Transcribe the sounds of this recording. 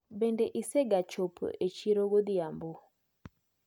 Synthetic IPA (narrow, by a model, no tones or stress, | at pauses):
bɛndɛʔisɛɡat͡ʃɔpʰʔɛt͡ʃiɾɔɣod̪iambo